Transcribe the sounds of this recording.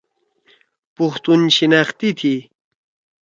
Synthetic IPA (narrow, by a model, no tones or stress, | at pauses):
pʊxt̪unɕinɑχt̪it̪ʰi